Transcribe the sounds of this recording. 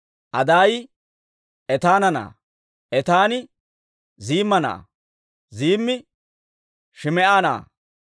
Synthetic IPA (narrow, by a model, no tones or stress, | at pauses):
ʔɐd̪aːj | ʔɛt̪aːnɐna̰ː | ʔɛt̪aːnɪ | ziːmːɐna̰ː | ziːmːɪ | ʃɪmɛʔaːna̰ː